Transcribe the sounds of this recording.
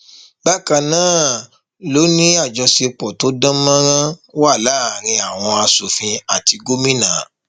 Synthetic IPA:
ɡ͡ba˦kã˨nãː˦˨ | lo˨˦nĩ˦a˦˨d͡ʒɔ˧se˧k͡pɔ˨to˨˦dã˦mã˦ɾ̃ã˦wa˦˨la˦˨ɾ̃ĩ˧a˨w̃ɔ̃˧a˧so˨fĩ˧a˨ti˧ɡo˦mĩ˦nã˨

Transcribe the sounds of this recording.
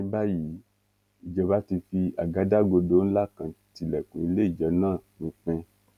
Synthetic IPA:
i˧˦ba˦ji˨˦ | i˨d͡ʒɛ˧ba˦ti˧fi˧a˨ɡa˨˦da˦ɡo˧do˨˦n̩˦la˦kã˨ti˧lɛ˨kũ˨i˧le˦i˦˨d͡ʒɛ˨˦nãː˦˨nũ˨˦k͡pɛ̃˧

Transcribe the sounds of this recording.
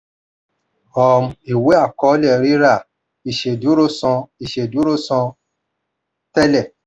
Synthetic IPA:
ɔ˨m̩˧i˨we˦a˦˨kɔ˨˦lɛ˦˨ɾi˦ɾa˦˨ | i˨ʃe˨du˨˦ɾo˦sɔ̃˧i˨ʃe˨du˨˦ɾo˦sɔ̃˧ | tɛ˦lɛ˦˨

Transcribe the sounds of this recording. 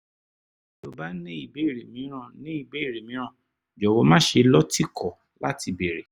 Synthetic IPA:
do˨ba˨˦nĩ˦i˦˨be˨˦i˦˨ɾe˨mĩ˨˦ɾ̃ã˦˨nĩ˨˦i˦˨be˦i˦˨ɾe˨mĩ˨˦ã˦˨ | d͡ʒɔ˨wɔ˧˦mã˦ʃe˧lɔ˦ti˦˨kʰɔ˨ | la˦ti˧be˨ɾe˨

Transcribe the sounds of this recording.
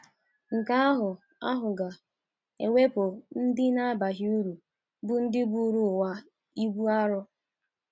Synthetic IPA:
ŋ̩˨ka˦a˦ɦʊ˨ | a̰˦ɦʊ˨ɡa˨ | e˨we˦pʊ˨n̩˦dɪ˦na˦ba˨ɦi˦u˦ɾu˨ | bʊ˦n̩˦dɪ˦bu˦ɾu˨wa˦ | i˦ɡu˦a˦ɾʊ˦

